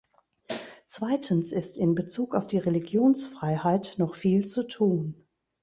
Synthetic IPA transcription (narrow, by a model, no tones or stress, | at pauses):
t͡sv̥aɪtʰən̩sɪstɪnbət͡suːkaʊfd̥iːʁeliɡjoːnsfʁ̥aɪhaɪtnɔχfiːlt͡sutʰuːn